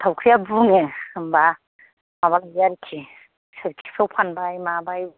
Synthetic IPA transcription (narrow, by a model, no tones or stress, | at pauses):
tʰawkʰɾijabuŋemba | maβalajaɾikʰi | seɾkʰi̥sawpʰanbajmabaj